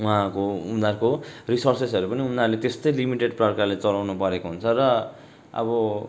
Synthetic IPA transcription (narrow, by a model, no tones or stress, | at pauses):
uɦãkoumd̪arkorisorsesʌɾupʌniumd̪arlet̪est̪ʌjlimiʈeɖprʌrkarlet͡sʌlawnupʌɾekoɦunt͡sʰʌrʌ | ʌ̰bʌ